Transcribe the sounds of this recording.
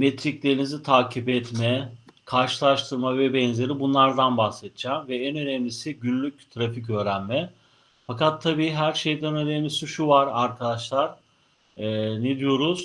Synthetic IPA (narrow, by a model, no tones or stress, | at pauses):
mɛt̪ʰɾiclʲe̞ɾinizit̪ʰaːcʰibɛt̪mɛkʰaɾʃɯlˠaʃt̪ʰɯɾmavɛbɛnze̞ɾibunlˠaɾd̪anbahsɛt̪ʰd͡ʒaːmvɛɛnø̞nɛmlʲisiɟynlʲyc̚t̪ʰɾaficø̞ːɾænmɛ | fakat̪ʰːabiːɦæɾʃe̞jd̪ɛnø̞nɛmlʲisiʃuvaɾaɾkʰad̪aʃlˠaɾ̥ː | ned̪ijo̞ɾuz̥